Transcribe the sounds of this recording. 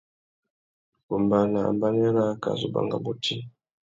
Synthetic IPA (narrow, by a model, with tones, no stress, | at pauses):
ku˨mba˦na˨mba˦nɛ˦ɾa˦ka̰˨zu˨ba̰˨ŋɡa˨bu˦tʰi˦